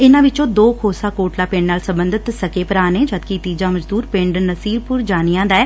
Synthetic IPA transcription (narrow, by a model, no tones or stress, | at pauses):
ɪnãːʋɪt͡ʃõːd̪oːkʰoːsaːkoːʈlaːpẽːɳnaːlsəmbənd̪ət̪səkeːpəɾaːneːd͡ʒət̪kit̪iːd͡ʒaːməd͡ʒd̪uːɾpɪ̃ɳɖnəsiːɾpʊɾd͡ʒaːnɪjãːd̪aɛː